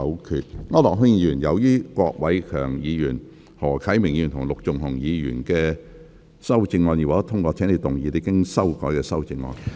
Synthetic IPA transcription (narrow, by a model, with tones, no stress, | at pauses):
wkʰyː˨˧t̚ŋɔː˥lɔː˨k̚ɦɵ˥ŋjiː˨˧jyː˨˩njɐ˨˧wjiː˥kʷɔː˧k̚wɐ˨˥jkʰœ̰ː˨˩ŋjiː˨˧jyː˨˩n | hɔː˨˩kʰɐ˨˥jmɪ˨˩ŋji˨˧yː˨˩nt̪ʰʊ˨ŋ˨lʊ˨k̚t͡sʊ˨˩ŋɦʊ˨˩ŋjiː˨˧jy̰ː˨˩nkɛː˧ | sɐ˥wt͡sɪ˧ŋːɔː˧njiː˨˩wa˨˩tɐ˥t̪ʰʊ˥ŋkʷɔː˧t͡ɕʰɛː˨˥ŋne˨˧t̪ʊ˨˩ŋjiː˨˧t̪e˧˥kɪ˥ŋsɐ˥wkɔː˨˥jkɛː˧sɐ˥wt͡sɪ˧ŋːɔ̰ː˧n